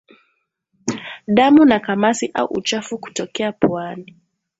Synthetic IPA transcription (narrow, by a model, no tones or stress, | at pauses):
ɗamunakamasiʔa̰ṵʔṵt͡ʃafuku̥tɔkɛapwani